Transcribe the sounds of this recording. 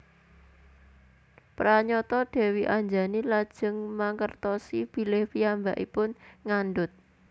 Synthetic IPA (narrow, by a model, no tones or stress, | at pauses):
pɾaɲɔt̪ɔɖ̥ɛ̤wiʔaɲd͡ʒa̤nilad̥ʒ̥ə̤ŋmaŋkərt̪ɔsib̥i̤lɪhpijambaʔḭpʊnŋanɖʊt̪̚